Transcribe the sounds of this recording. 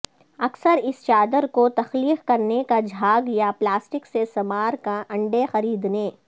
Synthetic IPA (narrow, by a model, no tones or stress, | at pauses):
ɐksəɾɪst͡ʃaːd̪əɾkot̪ɐxliːqkɐɾnekad͡ʒʱaːɡjaplaːsʈɪksesɐmaːɾkaʔɐ̃ɳɖexɐɾiːd̪neː